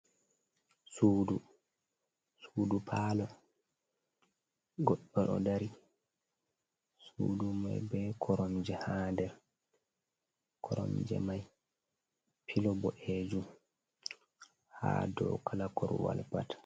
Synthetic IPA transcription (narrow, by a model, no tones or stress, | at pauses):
suːdu | suːdupʰaːlɔ | ɡɔɗːɔɗɔdaɾi | sṵːduma̰jbɛkʰɔɾɔmd͡ʒɛhaːndɛɾ | kʰɔɾɔ̰md͡ʒɛ̰maj | pʰilɔbɔʔeːd͡ʒum | ha̰ːdɔwkalakɔɾwa̰lpat